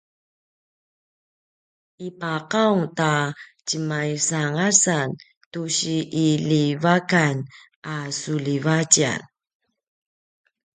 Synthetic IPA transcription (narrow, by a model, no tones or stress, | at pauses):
ipaqawtat͡ɕəmajsaŋasan | tuɕiʔilivakan | ʔasulivat͡ɕia̰n